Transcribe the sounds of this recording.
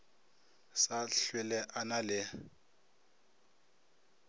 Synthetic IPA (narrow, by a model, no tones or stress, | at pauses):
saɬwɛlɛʔanalɪ